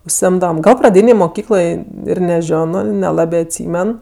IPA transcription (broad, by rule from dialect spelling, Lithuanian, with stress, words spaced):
ʊʃʲsʲɪˈɪmdɐʋɐm ˈɡɐlˠ prɐˈdʲiːnʲeːj moːˈkʲiːklˠoːj ɪr nʲɛˈʒʲoːnoː nʲɛˈlˠɑːbʲeː ɐtʲˈsʲiːmʲɛn